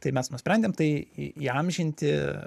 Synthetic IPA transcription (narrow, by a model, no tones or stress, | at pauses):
t̪ɐɪmʲɛsnʊsʲpʲɾʲɛnʲd̪ʲeːmt̪ɐɪiiɐmʲʒʲɪnʲt̪ʲɪ